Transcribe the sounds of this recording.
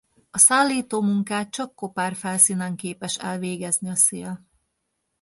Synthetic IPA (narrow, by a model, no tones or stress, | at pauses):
ɒsaːlːiːt̪oːmuŋkaːt̪̚t͡ʃɒkːopaːrfɛlsiːnɛŋkeːpɛʃɛlveːɡɛzniɒseːl